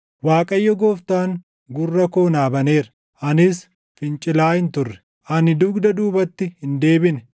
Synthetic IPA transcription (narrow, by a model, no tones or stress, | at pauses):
waːkʼɐjːɔɡoːft̪aːŋ | ɡʊrːɐko̞ːnaːbɐne̞ːɾɐ | ʔɐnɪs | fɪnt͡ʃʼɪlaːhɪnt̪ʊrːɛ̥ | ʔɐnɪd̪ʊːɡd̪ɐd̪uːbɐt̪ːɪhɪnd̪e̞ːbɪnɛ